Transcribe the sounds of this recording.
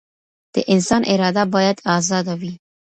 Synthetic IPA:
d̪̥ə̰ʔɪnsɑnʔɪɾɑd̪abɑjad̪ɑzɑd̪awi

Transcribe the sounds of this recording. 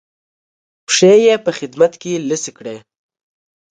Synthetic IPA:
pʂejepəxɪd̪mat̪keləsikɽe

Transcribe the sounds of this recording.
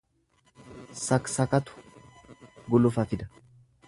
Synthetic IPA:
sɐksɐkɐt̪ʊ̥ | ɡʊlʊfɐfɪd̪ɐ

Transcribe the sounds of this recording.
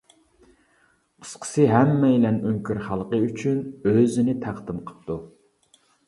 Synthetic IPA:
əsqʰə̥sɨɦɛmːɛjilɛnyŋkʲyɾχɑlˠqəyt͡ʃʰynøzɪnɪt̪ʰæχd̪ɨmqʰə̥p̚t̪ʰu

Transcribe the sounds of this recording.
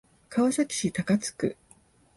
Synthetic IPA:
kʰaoɕakʲi̥ɕit̪akat͡sɨ̥kɯ̟̰

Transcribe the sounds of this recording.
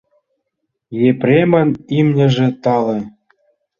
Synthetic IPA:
jeprʲemə̆nimnʲɘ̆ʒĕt̪ɑlĕ

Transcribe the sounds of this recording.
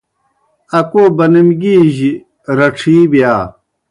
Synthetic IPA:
ɐkoːbɐnimɡiːʑi | ɾɐʈ͡ʂʰiːbjaː

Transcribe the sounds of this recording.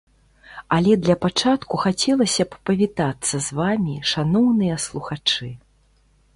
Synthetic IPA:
ɐlʲɛd̪lʲɐpat͡ʂat̪kuxat͡sʲɛlˠɐsʲɐppɐvʲit̪at̪sːɐzvamʲiʂanɔwnɨjɐslˠuxat͡ʂɨ

